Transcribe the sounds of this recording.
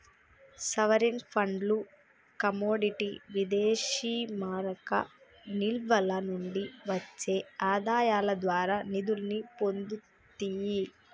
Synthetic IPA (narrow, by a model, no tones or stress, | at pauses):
sɐʋɐɾinpʰɐɳɖlu | kɐmoːɖiʈiʋid̪eːʃiːmaːɾɐkɐ̰ | nilʋɐlɐnuɳɖiʋɐt͡ʃːe̞ːaːd̪aːjaːlɐd̪ʋaːɾaːnid̪ulnipond̪u | t̪iji